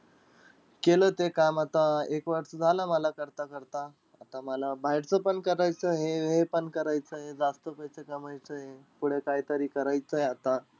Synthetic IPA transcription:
keləːt̪ekamat̪aekʋaʈsəd͡zʱalaməlakəɾt̪akəɾt̪aː | t̪aməlabʱajɽt͡səpəɳkəɾajt͡səɦeɦepəɳkəɾajt͡səɦed͡zast̪əpəjsekəmajt͡səɦepuɽ̤ekajt̪əɾiːkəɾajt͡səjeat̪a

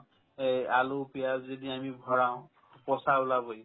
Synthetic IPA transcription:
ejalopijazediamibʱɔɹaʊ̃ | pɔsaʊlaboj

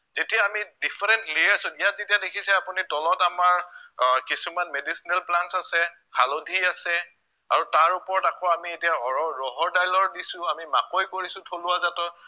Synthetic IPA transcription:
zetijaːmidipʰɛɹɛntlijaɹsʊijat̚zetijadekʰisɛapunitɔlɔtamaɹkisumanmedisinɛlplansasɛ | halodʱiasɛ | aɹutaɹupɔɹɔtakɔamietiaɔɹɔɹɔɦɔɹdajlɔɹdisʊ̃amimakojkoɹisʊ̃tʰolʊwazatɔ

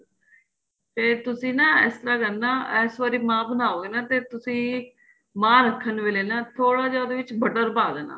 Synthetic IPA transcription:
t̪eːt̪ʊsĩːnaːɛ̰ːst̪əɾaːkənːaːɛːsʋaːɾiːmãːbənaːoːɡeːnaːt̪eːt̪ʊsĩː | mãːɾəkʰːənʋeːleːnaːt̪ʰoːɽaːd͡ʒaːd̪eːʋɪt͡ʃbəʈəɾpaːd̪eːna̰ː

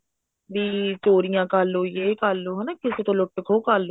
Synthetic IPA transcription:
ʋiːt͡ʃoːɾijãːkalːoːjeːkalːoːɦənaːkɪseːt̪õːlʊʈːkʰoːkalo

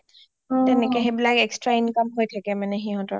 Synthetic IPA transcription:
tɛnɛkɛɦebilakɛkstɹainkamɦojtʰakɛmanɛxiɦɔ̃tɔ̰ɹ

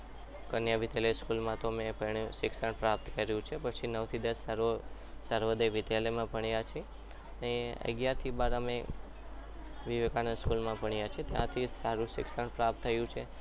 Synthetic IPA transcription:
kənjaʋit̪eleskulmãt̪omẽpəɳjũsɪksəɳpɾap̚t̪kəɾjũt͡ʃʰepət͡ʃʰinəʋt̪ʰid̪əsəɾosəɾʋəd̪ejʋɪt̪alemãpəɳijat͡ʃʰe | neə̰ɡjaɾt̪ʰibaɾəmẽ | ʋiʋekanəskulmãpəɳijat͡ʃʰet̪jã̰t̪ʰisaɾũʃɪ̰ksəɳpɾap̚t̪ʰːəjũt͡ʃʰe

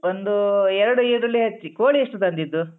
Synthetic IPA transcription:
ond̪uɛɾɐɽuiːɾɐlːiɦɐt͡ʃːikoːɭiɐʂʈut̪ɐnd̪id̪ːu

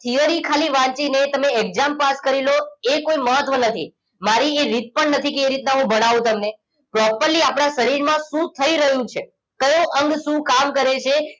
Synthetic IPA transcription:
t̪ʰijəɾikʰaliʋãt͡ʃinet̪əmeɛɡzampaskəɾiloekoiməɦət̪ʋənət̪ʰi | maɾieɾit̪̚pəɳnət̪ʰikeeɾit̪naɦũbəɽ̃aʋũt̪əmne | pɾɔpəɾliapɽ̃asəɾiɾmãʃũt̪ʰəiɾəɦjũt͡ʃʰe | kəjũʔəŋɡʃũkamkəɾet͡ʃʰe

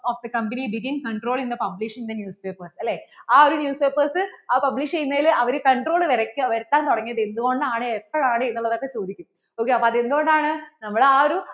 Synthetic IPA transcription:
oːfd̪ɐkɐmbɐnibiɡinkɐɳɖroːɭind̪ɐpɐbliʂind̪ɐnjuːspe̞ːpːɐrsɐlːe̞ːaːoɾunjuːspe̞ːpːɐrsɨaːpɐbliʂt͡ɕejunːɐilɐʋɐɾukɐɳʈro̞ːɭɨʋɐɾɐkʲːɨʋɐɾut̪ːaːnt̪oɽɐŋːijɐðe̞nd̪uɣo̞ɳɖɨaːɳeepːɐɻaːɳɨenːuɭːɐðo̞kːe̞t͡ɕoːd̪ʱikʲːum | oːkːeɐpːɐðe̞nd̪uo̞ɳɖaːɳɨnɐmːuɽeaːɾu

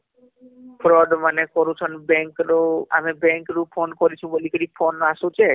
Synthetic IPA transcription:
pʰɾɔɖmanekɔɾut͡ʃʰɔnbɛŋkɾoa̰mebɛŋkɾupʰonkɔɾit͡ʃʰũbolikəɾipʰonasũt͡ʃe

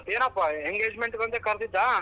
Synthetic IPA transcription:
t̪eːnɐpːaeŋɡeːd͡ʒmeɳʈkɐnt̪ekɐɾd̪id̪a

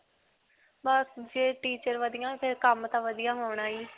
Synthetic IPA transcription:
bad͡ʒeːʈiːt͡ʃəɾʋəd̪ɪjãːpʰɪɾkəmt̪ãːʋəd̪ɪjãːɦoːɳãːiː

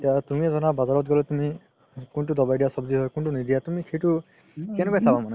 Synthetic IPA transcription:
tiatumiɛzɔnabazaɹɔt̚ɡɔlɛtumi | kuntudɔbajdijasɔbziɦɔjkuntunidijatumikʰejtu | kɛnɛkajsabamanɛ

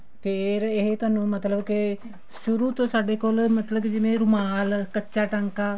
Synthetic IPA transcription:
peːɾəeɦet̪ɐnumɐt̪lɐʋəke | suɾut̪osaɖekoləmɐt̪ləked͡ʒimeɾumaːləkət͡ʃʃaːʈɐŋka

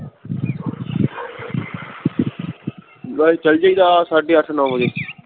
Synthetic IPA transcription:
t͡ʃəld͡ʒaiːd̪aːsaːɖiːəʈʰnãːɦoːd͡ʒeː

